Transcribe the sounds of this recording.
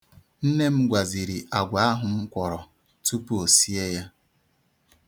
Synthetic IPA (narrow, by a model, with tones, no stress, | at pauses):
n̩˦ne˦m̩˦ɡʷa˨zi˨ɾi˨ʔa˨ɡʷa˨˦a˦ɦʊ˨ŋ̩˦kʷɔ˨ɾɔ˨ | tu˦pu˦o˨si˦e˦ja˦